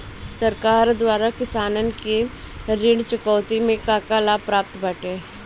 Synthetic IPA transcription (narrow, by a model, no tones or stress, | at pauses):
sɐɾkaːɾd̪waːɾakɪsaːnənkeɾɪɽt͡ʃʊkɔːt̪imẽkaːkalapɾaːp̚t̪baʈeː